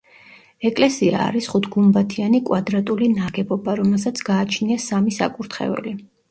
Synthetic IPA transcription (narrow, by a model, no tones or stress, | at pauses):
ɛkʼlɛsia̰ːɾisχut̪ʰɡumbat̪ʰianikʼwad̪ɾat̪ʼulinaɡɛbɔbaɾɔmɛlˠsat̪sʰɡ̥aːt͡ʃʰniasamisa̰kʼuɾt̪ʰχɛ̰vɛ̰li